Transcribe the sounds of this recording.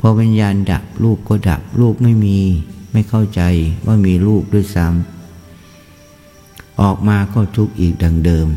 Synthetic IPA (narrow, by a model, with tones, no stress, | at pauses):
pʰɔː˧wi˧njaː˧nda̰˨˩p̚ɾuː˥˩p̚kɔː˥˩da̰˨˩p̚ɾuː˥˩p̚ma˥˩jmiː˧ma˥˩jkʰa˥˩wt͡ɕa˧jwʔa̰ː˥˩miː˧ɾuː˥˩p̚du˥˩əjsa˦˥m | ʔɔː˨˩k̚maː˧kɔː˥˩t̪ʰu˦˥k̚ʔiː˨˩k̚da˨˩ŋdɤː˧m